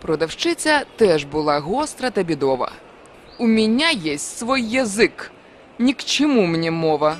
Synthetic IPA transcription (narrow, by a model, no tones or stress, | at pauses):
pɾɔd̪ɐwʃt͡ʃɪt͡sʲɐt̪ɛʒbʊlˠɑɦɔst̪ɾɐt̪ɐbʲid̪ɔʋɐ̰ | umʲinʲajɛsʲtʲsʋɔjːɐzɪk | nʲikt͡ʃɔmumnʲimɔʋɐ